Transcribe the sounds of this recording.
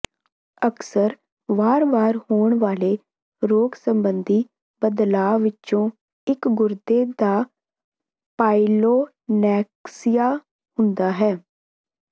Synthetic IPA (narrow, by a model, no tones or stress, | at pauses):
əksəɾ | ʋaːɾʋaːɾhoːɳʋaːleː | ɾoːksəmbənd̪iː | bəd̪laːʋɪtːt͡ʃõː | ɪkɡʊɾd̪eːd̪aː | paːiloː | nɛːksɪjaː | hʊ̃nd̪aːɦɛː